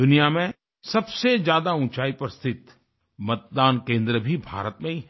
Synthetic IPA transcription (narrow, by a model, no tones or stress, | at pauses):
ʊnijamẽ | sɐbsezjaːd̪aũːt͡ʃaːipɐɾst̪ʰɪt̪ | mɐt̪̚d̪aːnkẽːnd̪ɾəbʱibʱa̰ːɾət̪mẽi